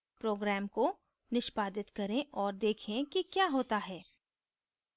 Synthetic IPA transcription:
pɾoːɡɾɛːmko | nɪʃpaːd̪ɪt̪kɐɾẽʔɔːɾd̪eːkʰẽkikjaːɦoːt̪aɦɛː

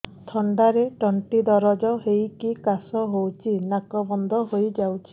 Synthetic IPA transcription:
t̪ʰɔɳɖaɾeʈɔɳʈid̪ɔɾɔd͡ʒɔɦejkikasɔɦowt͡ʃʰinakɔbɔnd̪ɔɦojd͡ʒawt͡ʃʰi̥

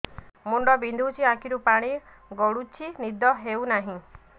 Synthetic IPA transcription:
muɳɖɔbind̪ʱuut͡ʃʰiakʰiɾupaɽ̃i | ɡɔɽut͡ʃʰinid̪ɔɦewnaɦĩ

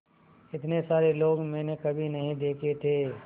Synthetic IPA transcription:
ɪt̪nesaːɾeloːɡmɛ̃ːnekɐbʱinɐɦĩd̪eːkʰet̪ʰeː

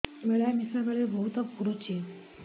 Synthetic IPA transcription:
ʋeɭjamisɾʋəɭebʱəɦut̪əpuɾot͡ɕi

